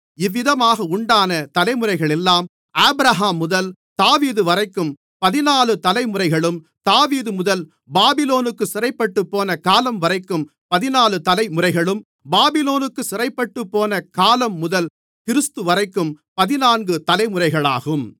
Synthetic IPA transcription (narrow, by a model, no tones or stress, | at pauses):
ɪʋːɪðɐmaːɣɐʊɳɖaːnɐt̪ɐlɐɪmɯrɐɪɣɐɭɛlːaːm | aːbɾɐɦaːmːʊðɐlt̪aːʋiːðɯʋɐrɐɪkːɯm | pɐðɪnaːlɯt̪ɐlɐɪmɯrɐɪɣɐɭɯm | t̪aːʋiːðɯmʊðɐl | baːbɪloːnɯkːɯsɪrɐɪpːɐʈːɯpːoːnɐkaːlɐmʋɐɾɐɪkːɯm | pɐðɪnaːlɯt̪ɐlɐɪmɯrɐɪɣɐɭɯm | baːbɪloːnɯkːɯsɪrɐɪpːɐʈːɯpːoːnɐkaːlɐmːʊðɐl | kɪɾɯst̪ɯʋɐrɐɪkːɯm | pɐðɪnaːnɡɯt̪ɐlɐɪmɯrɐɪɣɐɭa̰ːɣɯm